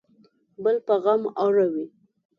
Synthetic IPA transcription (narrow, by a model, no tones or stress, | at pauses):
bəlpaɣamawɾawi